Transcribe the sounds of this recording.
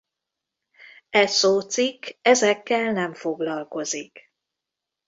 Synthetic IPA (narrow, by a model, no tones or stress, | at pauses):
ɛsoːt̪sikːɛzɛkːɛlnɛɱfo̞ɡlɒlko̞zik